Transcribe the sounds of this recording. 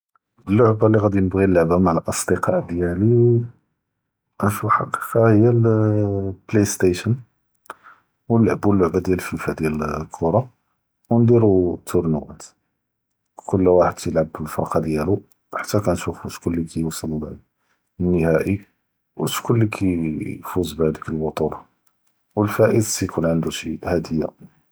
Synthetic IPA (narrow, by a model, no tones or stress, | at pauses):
blːʊʕbaliɣæd̪inəbɣilːəʕbamaʕlʔɑsˤd̪əqɑʔd̪jæli | ʔænʃufħɑqi̥qɑhəjːæl | plest̪eʃən | wəlːʕəbwəlːʊʕbad̪jællfifæd̪jælkʰʊɾˤɑ | wnd̪iɾut̪ʰʊɾnəwæ̰t̪ | kʊlːwaħəd̪kjəlʕəbəlfɑ̰qɑd̪jælu | ħḁt̪ːækænʃufuʃkʊlːikʰæjusˤəl | nːəhæʔi | wəʃkʊlːikʰæfuzbʕad̪əkəlbɑt̪ˤuɾɑ | wəlfæʔəd̪sijkunʕənd̪uʃihæd̪əjːa̰